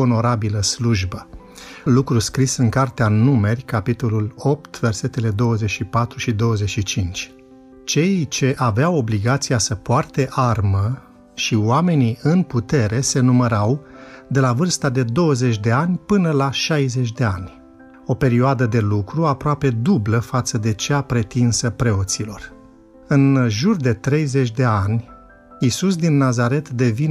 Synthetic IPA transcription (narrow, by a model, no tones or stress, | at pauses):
ono̞ɾabiləsluʒbə | lukɾuskɾisɨŋkart̪eanume̞rʲkapit̪o̞lulo̞p̚t̪ve̞rse̞t̪e̞le̞d̪o̞wəze̞t͡ʃʃipat̪ɾuʃid̪o̞wəze̞t͡ʃʲʃit͡ʃint͡ʃʲ | t͡ʃe̞jt͡ʃe̞ʔaveawo̞bliɡat̪sijasəpoart̪e̞ʔarmə | ʃiwame̞niɨnput̪e̞ɾe̞se̞numəɾawd̪e̞lavɨrst̪ad̪e̞d̪o̞wəze̞t͡ʃʲd̪e̞anʲpɨnəlaʃajze̞t͡ʃʲd̪e̞a̰nʲ | o̞pe̞ɾioad̪əd̪e̞lukɾuapɾoape̞d̪ubləfat̪səd̪e̞t͡ʃeapɾe̞t̪insəpɾe̞o̞t̪silo̞r | ɨnʒurd̪e̞t̪ɾe̞jze̞t͡ʃʲd̪e̞anʲ | isus̬d̪inːazaɾe̞t̪d̪e̞vin